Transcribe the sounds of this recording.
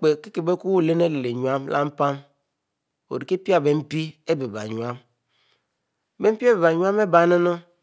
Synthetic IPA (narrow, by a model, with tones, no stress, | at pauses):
k͡pe˨ki˦ke˨be˦ku˦wle˦ne˦le˨le˨ɲu˨a˦mla̰˦m̩˦pa˦m | o̰˨ɾi˨ki˦pi˦a˨be˨m̩˦pi˦e˦be˨ba̰˨ɲu˨a˦m˨ | be˦m̩˦pi˦e˦be˨ba˨ɲu˦a˦me˦ba˨˦ne˦no˦